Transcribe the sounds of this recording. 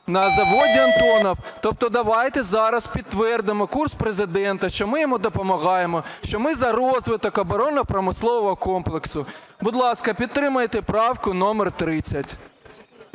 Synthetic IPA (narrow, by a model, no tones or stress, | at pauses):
nɐzɐʋodʲiɐnt̪ɔnɔwt̪ɔp̚t̪ɔd̪ɐʋɑjt̪ɛzɑɾɐspʲid̪̚t̪ːʋɛrd̪ɪmɔkurspɾezɪd̪ɛnt̪ɐʃt͡ʃɔmɪjɔmud̪ɔpɔmɐɣɑjemɔʃt͡ʃɔmɪzɐɾɔzʋɪt̪ɔkɐbɔɾɔnɔpɾɔmɪslˠɔʋɔɦɔkɔmplˠeksʊ | bʊd̪lˠɑskɐpʲid̪̚t̪ɾɪmɐjt̪epɾɑwkʊnɔmert̪ɾɪt͡sʲːɐtʲ